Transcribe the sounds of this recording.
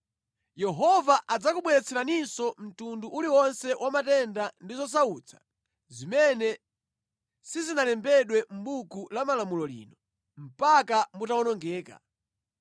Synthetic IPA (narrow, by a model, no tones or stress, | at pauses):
jɛɦɔvaʔad͡zakuɓwɛɾɛt͡sʰɛɾaninsɔm̩tunduʔuliwɔnsɛwʔamatɛndandizɔs̬auːt͡sʰḁ | zimɛnɛ | sizinalɛmbɛɗwɛm̩ɓukulamalamulɔlḭːnɔ | m̩pakambutawɔnɔŋɡɛːka̰